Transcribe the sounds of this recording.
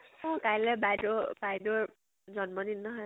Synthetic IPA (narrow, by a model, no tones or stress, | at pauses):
ɔkajlɛbajdobajdoɹ | d͡ʒɔnmɔdinːɔɦɔj